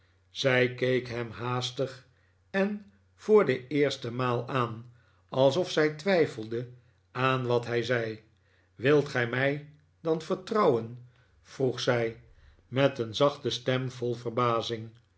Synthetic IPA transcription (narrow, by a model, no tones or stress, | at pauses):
z̥ɛjkejkɦɛmɦaːstəχ | ɛn | v̥ʊːɹdəɪːɹstəmaːlˠaːn | ɑlˠsɔfsɛjtʋɛjfəlˠdə | aːnʋɑtɦɛjzɛj | ʋɪlˠtχɛjmɛj | dɑnfəɹtrɑwən | v̥ruχsɛj | mɛtənzɑχtəstɛmvɔlˠvərbaːzɪŋ